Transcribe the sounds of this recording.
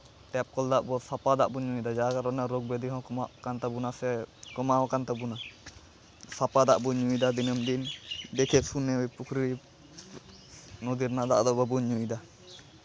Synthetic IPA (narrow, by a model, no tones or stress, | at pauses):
t̪ɛp̚kɔld̪aʔbɔsapad̪aʔbuɲuid̪ad͡ʒaɡaɾɔnaɾɔɡ̚bɛd̪iɦɔ̃kɔaʔkant̪abunasɛkɔmawakant̪abuna | sapad̪aʔbɔɲujd̪ad̪inəmd̪ind̪ɛkʰɛsunːɛwɛpukʰɾi | nɔd̪iɾnaʔd̪aʔd̪ɔbɔbuɲːujd̪a